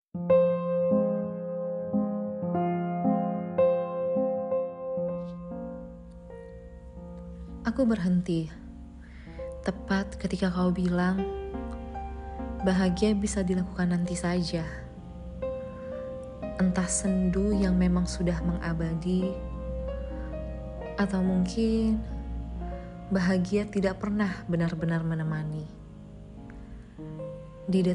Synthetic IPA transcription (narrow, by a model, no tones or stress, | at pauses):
ʔakubərɦənt̪i | t̪əpat̪̚kət̪ikakaubilaŋ | baɦaɡiabisadilakukanːant̪isad͡ʒa | ʔənt̪ahsəndujaŋmemaŋsudahməŋʔabadi | ʔat̪awmuŋkʰɪn | baɦaɡiat̪idaʔ̚pərnahbənarbənarmənəmani | dida